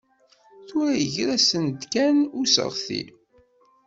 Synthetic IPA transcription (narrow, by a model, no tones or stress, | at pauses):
θʊɾæjəʝɾæsənd̪kænusə̰ʁθḭl